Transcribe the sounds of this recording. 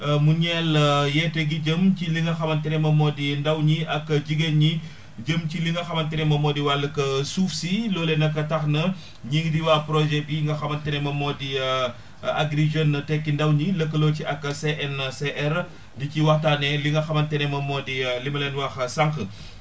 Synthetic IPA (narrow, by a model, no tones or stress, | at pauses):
muɲɛləjɛtɛɡiɟəmciliŋɡɐxɐmɐntɛnɛmɐmɔːdindɐwɲiɐkːəɟiɡeɲi | ɟəmciliŋɡɐxɐmɐntɛnɛmɐmɔːdiwalɐkɐsuːfsilɔːlɛnɐkːɐtɐxnɐ | ɲiŋdiwapɾɔʒɛbiŋɡɐxɐmɐntɛnɛmɐmɔːdi | aɡɾiʒɐnːɐtɛkːindɐwɲiləkːəloːciɐkːɐseʔɛnseʔɛɾ | diciwɐxtaːnɛliŋɡɐxɐmɐntɛnɛmɐmɔːdilimɐlɛnwɐxsɐŋkə